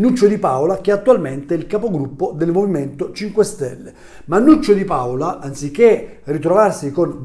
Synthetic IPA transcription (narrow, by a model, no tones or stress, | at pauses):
nːut͡ʃːod̪ipawlak̟ɛat̪ːualment̪eilkapoɡɾupːod̪elmoviment̪ot͡ʃiŋkwest̪ɛlːe | manːut͡ʃːod̪ipawlaʔant̪sikːe | rit̪ɾɔvarsikon